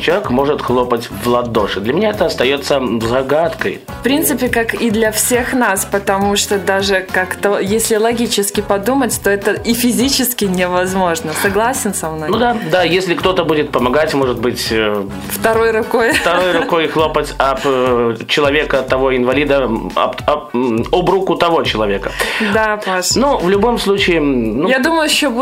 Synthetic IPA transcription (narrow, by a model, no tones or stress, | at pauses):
t͡ɕɪlˠɐvʲekmo̞ʐɨt̪xlˠopətʲvlˠɐd̪o̞ʂɨd̪lʲɐmʲɪnʲaɛt̪əɐst̪ɐjo̞t̪sːəzɐɡat̪kə̰j | fpɾʲint̪sɨpʲɪkakid̪lʲɐfsʲexnaspət̪ɐmuʂt̪od̪aʐɨkakt̪əjesʲlʲɪlˠɐɡʲit͡ɕɪskʲɪpɐd̪umətʲt̪o̞ɛt̪əʔifʲɪzʲit͡ɕɪskʲɪnʲɪvɐzmo̞ʐnəsɐɡlˠasʲɪnsɐmnojnud̪ad̪ajesʲlʲɪkt̪o̞t̪əbudʲɪt̪̚pəmɐɡatʲmo̞ʐɨd̪̚bɨtʲ | ft̪ɐɾo̞jɾʊko̞jft̪ɐɾo̞jrʊko̞jxlˠo̞pətʲɐpt͡ɕɪlˠɐvʲekət̪ɐvo̞ɪnvɐlʲid̪əɐ̰ɐobɾukʊt̪ɐvo̞t͡ɕɪlˠɐvʲe̞kəd̪apanuvlʲʊbo̞mslˠut͡ɕɪɪnujad̪uməjʊɕːob